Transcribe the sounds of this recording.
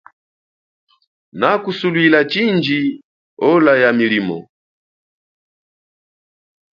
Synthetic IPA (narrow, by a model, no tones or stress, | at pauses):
nakusulwilat͡ʃind͡ʒi | ɔlajamilimɔ̰